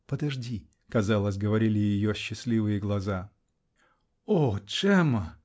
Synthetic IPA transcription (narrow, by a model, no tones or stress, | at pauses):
pəd̪ɐʐdʲi | kɐzalˠəsʲɡəvɐɾʲilʲɪjɪjoɕːɪslʲivɨjɪɡlˠɐza | oʂɛmə